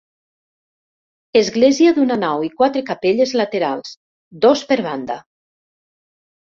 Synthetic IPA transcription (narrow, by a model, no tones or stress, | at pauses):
ezɣleziaðunanawikwat̪ɾekapeʎezlat̪eɾalˠs | d̪ospeɾβand̪a